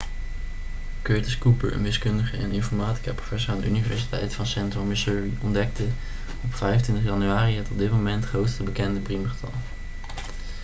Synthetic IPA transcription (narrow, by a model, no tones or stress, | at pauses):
køːtəskupə̰ɹə̰nʋɪskɵndəχəʔɛ̰nɪnfɔɹmaːti̥kəprofɛsəɹaːndə̰ʔynivɛɹsi̥tɛjtfɑnsɛntrɔɹmɪsuːɹiɔndɛk̚tə | ɔpfɛjəntʋɪntəχjɑnyaːriɦɛtɔb̚dɪt̚mowmɛntχrowtstəbəkɛndəpriməχətʰɑ̰lˠ